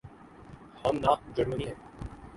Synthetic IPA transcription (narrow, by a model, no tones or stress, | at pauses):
hɐmnaːq̚d͡ʒəɾməniɦɛ̃ː